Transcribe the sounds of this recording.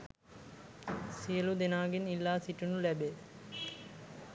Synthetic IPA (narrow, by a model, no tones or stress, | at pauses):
sijɐlud̪enaːɡinilːaːsiʈunulɛbe